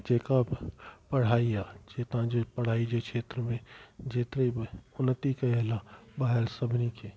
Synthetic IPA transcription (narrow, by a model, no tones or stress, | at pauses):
d͡ʒeːkapɐɽ̤aːijad͡ʒet̪ãd͡ʒepəɽ̤aːid͡ʒekʃʰeːt̪ɾəmẽd͡ʒeːt̪ɾeʊnːət̪ikaelabaːɦeɾsəbʱnike